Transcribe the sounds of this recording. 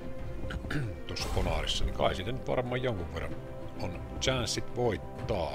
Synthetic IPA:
t̪uosːɑkonɑ̰rḭsːɑnikɑ̰ˑisiːt̪ænyt̪ʋɑ̰rmˑɑːjjoŋkuʋʋerːɑ̰n | on | t͡ʃænssit̪ʋoˑit̪ːɑː

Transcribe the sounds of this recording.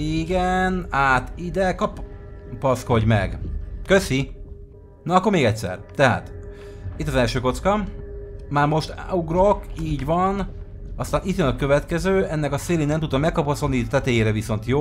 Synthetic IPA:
iɡɛnaːt̪id̪ɛkɒppɒsko̞ɟmɛ̰ɡkøsi | nɒːkːo̞rmeːɡɛc̚tsɛ̰rt̪ɛɦa̰ːt̪ | it̪ːɒzɛlʃøːko̞t̪skɒ | maːrmo̞ʃt̪uɡro̞kiːɟʋɒn | ɒst̪aːnit̪jønɒkø̞vɛt̪kɛzøːʔɛnːɛkɒseːlinɛmt̪ud̪ɒmːɛkːɒpɒsod̪nit̪ɛt̪eːjeːɾɛviso̞nt̪joː

